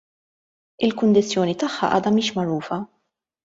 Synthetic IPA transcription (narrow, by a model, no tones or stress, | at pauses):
ɪlkʊnd̪ɪt͡sːjɔːnit̪ɐħːɐ̰ʔɐ̰ːd̪ɐmiːʃmɐɾuːfɐ